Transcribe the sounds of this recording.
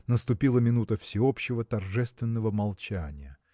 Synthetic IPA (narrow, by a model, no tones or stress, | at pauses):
nəst̪ʊpʲilˠəmʲɪnut̪əfsʲɪopɕːɪvət̪ɐrʐɛst̪vʲɪnːəvəmɐlˠt͡ɕænʲɪjə